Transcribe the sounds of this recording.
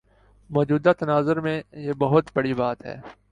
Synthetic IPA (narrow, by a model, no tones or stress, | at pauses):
mɔːd͡ʒuːd̪at̪ɐnaːzəɾmẽjebɐɦʊt̪bɐɽibaːt̪ɦɛ̰ː